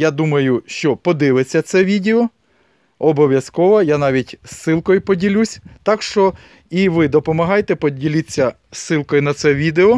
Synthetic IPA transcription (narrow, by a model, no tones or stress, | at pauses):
jad̪umɐjʊʃt͡ʃɔpɔd̪ɪʋet͡sʲːɐt̪sɛʋʲidʲeɔ | ɔbɔʋʲjɐskɔʋɐjanɑʋʲitʲsːɪlˠkɔjʊpɔdʲilʲusʲt̪ɑkʃt͡ʃɔ | iʋɪd̪ɔpɔmɐɦɑjet̪ɛpɔdʲilʲɪt͡sʲːɐ | sːɪlˠkɔjʊnɐt̪sɛʋʲid̪eɔ